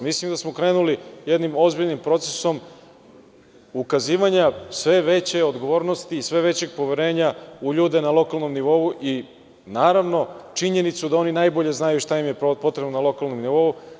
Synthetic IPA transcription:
mislimd̪asmo̞kɾe̞ːnulijed̪nimo̞zbiʎnimpɾo̞t̪seso̞m | ukaziːʋaɲasʋe̞ʋe̞t͡ɕe̞o̞d̪ɡo̞ʋo̞ːɾno̞st̪iːsʋe̞ʋe̞t͡ɕe̞ɡ̚po̞ʋeɾe̞ːɲauʎuːd̪e̞nalˠo̞kalˠno̞mniʋo̞uʔi | naːɾaʋno̞t͡ʃiɲe̞nit̪sud̪ao̞ninajbo̞ʎe̞znajuʃt̪aimje̞po̞t̪ɾebnonalˠo̞kalˠnomniʋo̞u

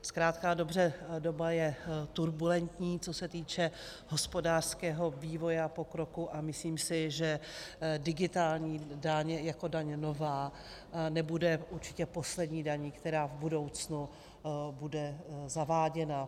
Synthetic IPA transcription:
skɾaːt̪kaːdo̞br̝ɛdo̞bajɛt̪uɾbulɛnt̪ɲiːt͡so̞sɛt̪iːt͡ʃɛɦo̞spo̞daːr̥skɛːɦo̞viːvo̞jɛapo̞kɾo̞kuʔamɪsliːmsɪʒɛdɪɡɪt̪aːlɲiːdaɲjako̞daɲno̞vaː | nɛbudɛuɾt͡ʃɪ̥cɛpo̞slɛdɲiːdaɲiːkt̪ɛɾaːvbudo̞wt͡snu | budɛzavaːɟɛna

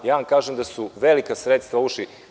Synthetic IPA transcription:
jaːʋamkaːʒemd̪asuʋelikasɾet̪st̪ʋauʃli

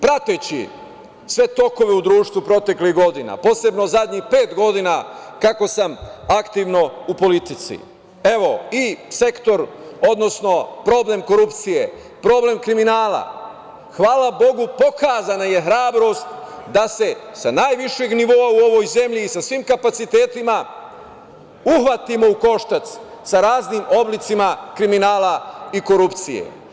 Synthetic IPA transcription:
pɾat̪et͡ɕḭ | sʋe̞t̪o̞ko̞ʋe̞ud̪ɾuːʃt̪ʋupɾo̞t̪e̞kliɦɡo̞d̪ina̰po̞ːse̞bno̞zad̪ʲɲixpe̞ːt̪ɡo̞d̪inakako̞samakt̪iʋno̞upo̞lit̪it̪sḭ | e̞ʋo̞ise̞kt̪o̞ɾo̞d̪no̞sno̞pɾo̞ble̞mko̞ɾupt̪sije̞ | pɾo̞ːble̞mkɾiminaːla̰ | xʋaːlˠabo̞ɡupo̞kaːzanaje̞xɾaːbɾo̞st̪d̪ase̞sanaːjʋiʃeɡniʋo̞auo̞ʋo̞jze̞mʎiːsasʋimkapat̪sit̪e̞ːt̪ima | uxʋat̪imo̞uko̞ʃt̪at̪ssaɾaːzniːmo̞blit̪simakɾiminaːlaiko̞ɾupt̪sijḛ

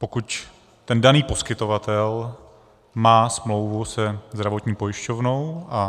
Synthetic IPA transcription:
po̞kuc | t̪ɛndaniːpo̞skɪt̪o̞vat̪ɛl | maːsmlo̞wvusɛzd̪ɾavo̞t̪ɲiːpo̞jɪʃcovno̞wʔa

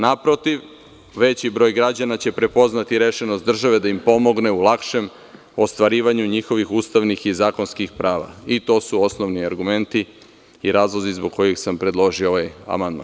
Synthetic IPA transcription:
napɾo̞t̪iʋ | ʋe̞t͡ɕibɾo̞ːjɡɾad͡ʑanat͡ɕe̞pɾe̞po̞znat̪iɾeʃenost̪d̪r̩ʒaʋe̞d̪aimpo̞mo̞ɡne̞ulˠakʃe̞m | o̞st̪ʋaɾiːʋaɲuɲixo̞ʋixust̪aʋnixizaːko̞nskixpɾaːʋa̰it̪o̞ːsuo̞snoʋniaɾɡume̞nt̪i | iɾaːzlˠozizbo̞ɡ̚ko̞jixsampɾe̞d̪lˠo̞ʒiooʋaja̰mand̪ma̰ːn

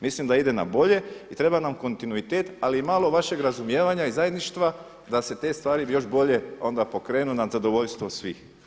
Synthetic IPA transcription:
mislimd̪aid̪e̞na̰bo̞ʎe̞it̪ɾe̞banamko̞nt̪inuit̪eːt̪aliimalo̞ʋaʃe̞ɡɾazumje̞ːʋaɲaizaje̞d̪niʃt̪ʋa | d̪ase̞t̪e̞ːst̪ʋaːɾijo̞ʒbo̞ʎe̞o̞nd̪apo̞kɾe̞ːnunazad̪o̞ʋo̞ʎst̪ʋo̞sʋix

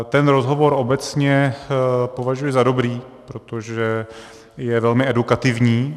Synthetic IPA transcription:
t̪ɛnɾo̞zɦo̞vo̞ɾo̞bɛt͡sɲɛ | po̞vaʒujɛzado̞bɾiː | pɾo̞t̪o̞ʒɛ | jɛvɛlmɪɛdukat̪ɪvɲiː

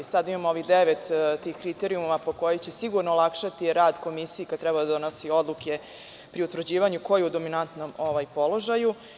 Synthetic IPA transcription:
sad̪aimamooʋiɣd̪eʋet̪t̪ːiːxkɾit̪eɾiummapo̞ko̞jojt͡ɕe̞siɡuɾnoːlˠakʃat̪iɾaːd̪ko̞misijikat̪ɾɛbad̪ad̪onosio̞d̪lukʰe | pɾiut̪ʋɾ̩d͡ʑiːʋaɲuko̞juud̪o̞minant̪nomoʋajpo̞lˠo̞ʒaju

